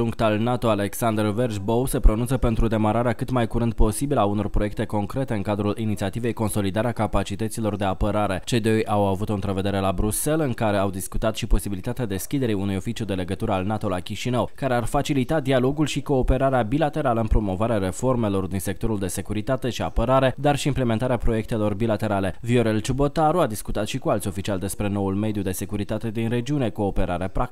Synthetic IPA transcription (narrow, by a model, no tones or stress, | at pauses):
ʒuŋkt̪alnat̪o̞ale̞ksand̪rverʒbowse̞pɾonunt̪səpe̞nt̪ɾud̪e̞maɾaɾeakɨt̪majkuɾɨnd̪̚po̞sibilauno̞rpɾo̞je̞k̚t̪e̞ko̞ŋkɾe̞t̪e̞ɨŋkad̪ɾulʔinit̪siat̪ive̞jko̞nso̞lid̪aɾeakapat͡ʃit̪ət̪silo̞rd̪e̞apəɾaɾe̞t͡ʃe̞d̪ojawavut̪oɨnt̪ɾəve̞d̪e̞ɾe̞labɾuse̞lɨŋkaɾe̞awd̪iskut̪at̪ʃipo̞sibilit̪at̪ead̪e̞skʲid̪e̞ɾiunujo̞fit͡ʃijud̪e̞le̞ɡət̪uɾəalnat̪o̞lakʲiʃinəwkaɾe̞arfat͡ʃilit̪ad̪ialo̞ɡulʃiko̞ːpe̞ɾaɾeabilat̪e̞ɾaləɨnpɾo̞mo̞vaɾeaɾe̞fo̞rme̞lo̞rd̪inse̞k̚t̪o̞ɾuld̪e̞se̞kuɾit̪at̪e̞ʃiapəɾaɾe̞d̪arʃiːmple̞ment̪aɾeapɾo̞je̞k̚t̪e̞lo̞rbilat̪e̞ɾale̞vio̞ɾe̞lt͡ʃubo̞t̪aɾuad̪iskut̪at̪ʃikualt̪sʲo̞fit͡ʃiald̪e̞spɾe̞no̞ulme̞d̪jud̪e̞se̞kuɾit̪at̪e̞d̪inre̞d͡ʒiune̞ko̞ːpe̞ɾaɾeapɾa